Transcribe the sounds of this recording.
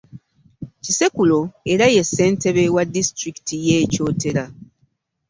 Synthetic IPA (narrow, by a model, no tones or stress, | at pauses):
cise̞kulo̞e̞ɾaje̞sːe̞ːnte̞βe̞wadːistɾiki̥tije̞ːco̞ːte̞ɾa